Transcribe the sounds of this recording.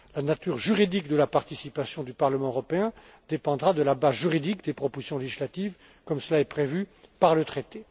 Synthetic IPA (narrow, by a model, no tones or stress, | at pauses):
lanat̪yʁʒyʁid̪ikd̪əlapaʁt̪isipasjɔ̃d̪ypaʁləmɑ̃øʁɔpeɛ̃ | d̪epɑ̃d̪ʁad̪əlabazʒyʁid̪ikd̪epχɔpozisjɔ̃leʒislat̪iv | kɔmsəlaɛpχevypaʁlət̪χet̪e